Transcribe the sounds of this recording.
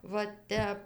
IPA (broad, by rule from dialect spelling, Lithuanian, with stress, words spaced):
ʋɐ ˈtʲɛp